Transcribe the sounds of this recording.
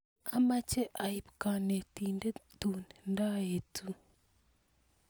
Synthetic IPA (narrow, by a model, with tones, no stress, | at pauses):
a˨ma˦t͡ʃe˦ʔa˨i˨βka˨ne˨tiː˨nde˦tunenda˦jetu˦